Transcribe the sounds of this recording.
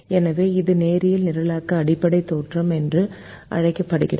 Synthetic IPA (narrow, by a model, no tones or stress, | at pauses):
ɛnɐʋeːɪðɯneːɾɪjɪlnɪɾɐlaːkːɐːɽɪpːɐɽɐɪt̪oːʈrɐmɛndrɯ | ʔɐ̰ɻɐɪkːɐpːɐɽɯɣɪ̰rɐ